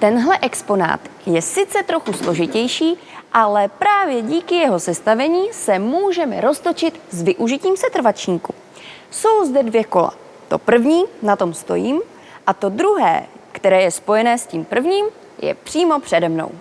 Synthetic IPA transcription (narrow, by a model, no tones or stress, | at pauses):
t̪ɛnɦlɛʔɛkspo̞na̰ːt̪jɛsɪt͡sɛt̪ɾo̞xuslo̞ʒɪcɛjʃiː | ʔalɛpɾaːvjɛɟiːkɪjɛɦo̞sɛst̪avɛɲiːsɛmuːʒɛmɛ̰ɾo̞st̪o̞t͡ʃɪt̪zvɪʔuʒɪciːmsɛt̪r̩vat͡ʃɲiːku | so̞wzdɛdvjɛko̞la̰ | t̪o̞̰pr̩vɲiːnat̪o̞mst̪o̞̰jiːm | ʔat̪o̞d̪ɾuɦɛ̰ːkt̪ɛɾɛːjɛspo̞jɛnɛːsciːmpr̩vɲiːm | jɛ̰pr̥iːmo̞pr̝̥ɛdɛmno̰w